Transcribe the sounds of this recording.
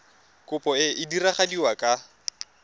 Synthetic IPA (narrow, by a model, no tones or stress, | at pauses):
kʊpʼɔɪʔɪdiraχadiwakʼa